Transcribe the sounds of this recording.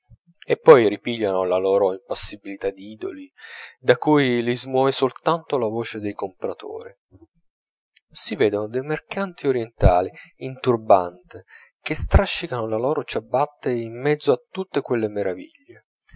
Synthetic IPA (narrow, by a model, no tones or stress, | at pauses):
epːɔjripiʎːanolalɔːɾoimpasːibilit̪ad̪iiːd̪o̰lid̪akujlizmwɔːvesolt̪ant̪olavoːt͡ʃed̪ejkompɾat̪o̰ːɾi | sivɛːd̪onod̪ejmerkant̪ioɾjɛnt̪aːliint̪urba̰nt̪ɪ | k̟est̪ɾaʃːikanolalɔːɾot͡ʃabːat̪ːeimːɛd̪zːoat̪ːut̪ːekwelːemeɾʔavḭʎːe